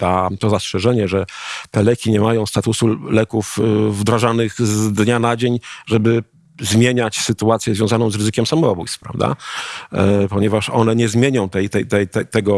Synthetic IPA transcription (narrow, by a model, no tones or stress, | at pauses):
t̪at̪ɔzastʂɛʐɛɲɛʐɛt̪ɛlɛkʲiɲɛmajɔ̃w̃st̪at̪usulɛkufvd̪ɾaʐanɘɣzd̪ɲanad͡ʑeɲʐɛbɘ | zmʲjeɲat͡ɕsɘt̪uat̪sʲjɛzvʲjɔ̃zanɔ̃zɾɘzɘkʲjɛmsamɔɔbṵjst̪fpɾa̰vd̪a̰ | pɔɲɛvaʂɔ̰n̪ɛɲɛzmʲjeɲɔ̃w̃t̪ɛjt̪ɛjt̪ɛjt̪ɛt̪ɛɡɔ